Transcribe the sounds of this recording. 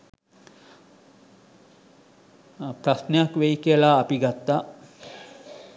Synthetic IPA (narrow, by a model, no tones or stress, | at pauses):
pɾasnejakʋejikiəlaːpiɡat̪ːaː